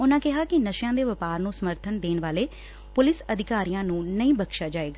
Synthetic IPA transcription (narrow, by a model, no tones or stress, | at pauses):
ʊnãːkɪɦaːkɪnəʃjãːd̪eːʋəpaːɾnũːsəməɾt̪ʰənd̪eːnʋaːleː | pʊlɪsəd̪ʱɪkaːɾijãːnũːnəĩːbəkʃaːd͡ʒaːeːɡaː